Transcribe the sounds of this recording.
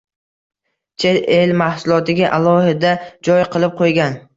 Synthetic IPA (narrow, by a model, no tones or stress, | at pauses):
t͡ʃʰeelmahsʊlˠɒt̪ɪɡʲaʔalˠɒhɪd̪ad͡ʒɒjqʰɨlˠɪp̚qʰojɡʲan